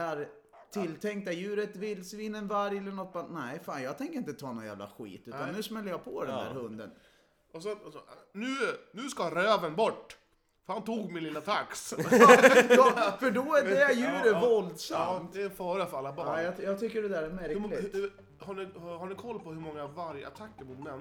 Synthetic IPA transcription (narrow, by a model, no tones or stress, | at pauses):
ɛɾ | t̪ʰɪlːt̪ʰɛŋk̚t̪ajʉ̟ːɾət̪vɪlːsviːnənvaɾjɛlːəɳɔt̪̚ːbanæfaːnjɑːɡt̪ʰɛŋkəɾɪnt̪ət̪ʰɑːnɔnjæ̰ːvla̰ɧḭːt̪ʉːt̪anːʉ̟ːsmɛlːəjɑpʰɔd̪ɛnd̪æ̰ːɾhɵnd̪ə̰n | ɔsɔnʉ̟ːnʉ̟ːskaɾøːvənbɔʈː | fœɾhant̪uːɡmɪnlɪlːat̪ʰaks | d̪ɔfœɖɔæɛɛjʉ̟ːɾəvɔld̪samt̪ɛɛnfɑːɾafœɾalːabɑːjjɑjɑːɡt̪ʰʏkːəɖɛd̪æːɾæɾmæɾklɪ | haɖɪhhaɳɪkʰɔlːpɔhɵɾmɔŋːavaɾjə̰a̰t̪ʰakːəɾmʊt̪mɛnː